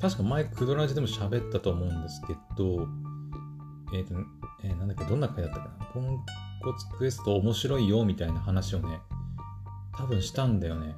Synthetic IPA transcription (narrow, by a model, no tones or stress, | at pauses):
t̪aɕi̥kamaekɯ̟d̪o̞ɾaʑid̪e̞mo̞ɕabe̞t̪ːat̪o̞ːmo̞ɯ̟̃nd̪esɨ̥ke̞d̪̥o | et̪ːoeːnãnd̪ekːad̪õ̞nːakãɲid̪at̪ːakanakõŋko̞t͡sɨ̥kɯ̟e̞sɨ̥t̪o̞ːmo̞ɕiɾo̞ijo̞mʲit̪ainahanaɕio̞ne̞ | t̪ʰabɯ̟̃ɰ̃ɕi̥t̪ãnd̪ajo̞ne̞